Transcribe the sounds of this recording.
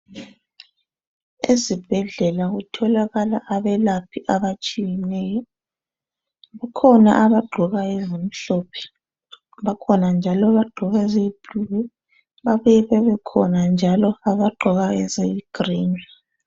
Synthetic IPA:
ezib̥ʱɛɮɛlaɣutʰɔlaɣalaʔaβɛlapʰiʔaβat͡ʃʼijɛnɛjɔ | βakʰɔna̰ʔaβaɡ͡ǃʱɔɣaɛzem̩ɬɔpʰɛ̥ | βakʰɔnand͡ʒʱalɔβaɡ͡ǃʱɔɣazeib̥ʱuɣɛ | βaβujɛβɛβɛkʰɔnand͡ʒʱalɔaβaɡ͡ǃʱɔɣaɛzeiɡ̥riːna

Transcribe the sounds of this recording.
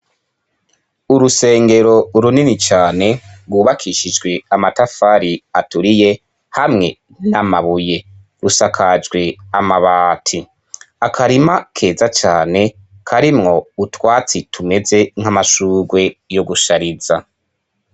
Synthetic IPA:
uɾuse̞ːŋɡe̞ɾo̞ɾuninit͡ʃaːne̞ɾɡwuːβakʰiʃid͡ʒɡwe̞amatafaɾiatuɾije̞ | hamŋe̞ | namaβuje̞ | ɾusakʰad͡ʒɡwe̞amaβaːtʰi | akʰaɾimakʰe̞ːzat͡ʃaːne̞ | kʰaɾimŋo̞utwaːt͡sitʰume̞ze̞ŋ̥hamaʃuːɡwe̞jo̞ɡuʃaɾiza

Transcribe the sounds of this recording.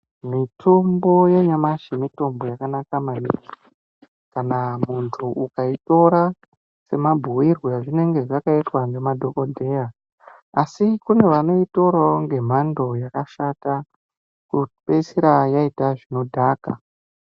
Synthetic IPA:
mitʰombo̞jeɲamaʃimito̞mbo̞jakanakamanḭki̥ | kanamuntʰuukaito̞ɾa | se̞mabʱuwirweʐine̞ŋɡe̞ʐakaitwaŋɡe̞madʱo̞ko̞dʱe̞ja | asikune̞ʋano̞ito̞ɾaŋɡe̞m̤ando̞jakaʃata | kupesiɾajaitaʐino̞dʱaːka̰

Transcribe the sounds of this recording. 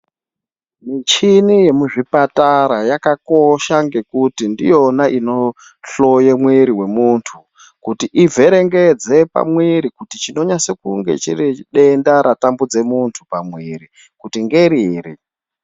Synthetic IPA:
mit͡ʃinije̞muʐipataɾajakako̞ʃaŋɡe̞kutindijo̞naʔino̞ | ɬo̞jemweɾiwe̞muːntʰu | kutiʔivʱe̞ɾe̞ŋɡed͡ze̞pa̰mwiɾikutit͡ʃino̞ɲasekṵŋɡe̞̰t͡ʃḭriɗe̞ndaɾʔatambud͡ze̞muntʰupamwiɾi | kutiŋɡe̞ɾiːɾi

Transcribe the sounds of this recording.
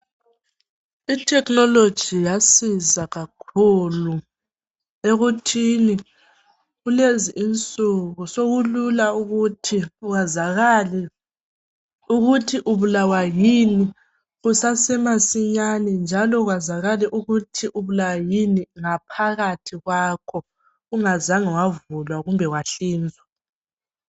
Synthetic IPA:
itʰɛknɔlod̥ʒ̥ʱijasizaɣakʰulu | eɣutʰini | ɣuleziʔint͡sʼuɣusoɣululauɣutʰiazaɣalɛ | uɣutʰiʔuβulawajini | ɣusasɛmasiɲanɛnd͡ʒʱalɔɣwazaɣaliʔuɣutʰiʔuβulawajiniŋapʰaɣatʰiɣwaːkʰɔ | uŋazaŋiwavulwaɣumbʱɛɣwaɬiːnd͡zʱwa

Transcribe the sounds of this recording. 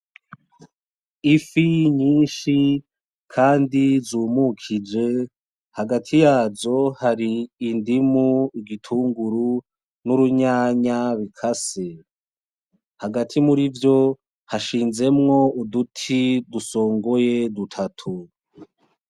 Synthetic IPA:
ifiɲiːnʃi | kʰaːndizuːmukʰid͡ʒe̞ | haɡatʰijaːzo̞haɾiːndimuiɡitʰuːŋɡuɾu | nuɾuɲaːɲaβikʰase | haɡatʰimuɾivjo̞ | haʃiːnze̞mŋo̞udutʰiduso̞ːŋɡo̞je̞dutʰatʰu

